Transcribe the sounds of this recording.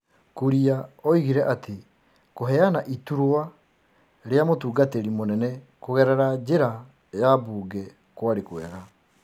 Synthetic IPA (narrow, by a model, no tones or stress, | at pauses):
kuɾiaɔiɣiɾɛʔate | koɦɛanaʔituɾoa | ɾeamotuːɡateɾimonɛnɛ | koɣɛɾɛɾad͡ʑeɾa | jabuːɡɛ | kwaɾekwɛɾa